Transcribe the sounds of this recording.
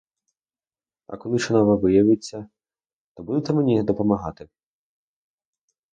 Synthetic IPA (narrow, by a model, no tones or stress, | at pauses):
ɐ̰kɔlˠɪʃɔnaʋɐʋɪjɐʋɪt͡sʲːɐ | t̪ɔbud̪et̪ɛmenʲid̪ɔpɔmɐɦɑt̪ɪ